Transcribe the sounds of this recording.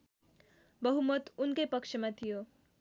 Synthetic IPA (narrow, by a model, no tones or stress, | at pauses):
bʌɦumʌt̪unkʌjpʌkt͡ʃʰʌmat̪ʰijo